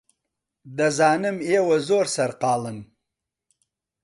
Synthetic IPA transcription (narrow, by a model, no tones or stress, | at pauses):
d̪azɑːnɪmeːwazoːɾsɐɾqɑːlən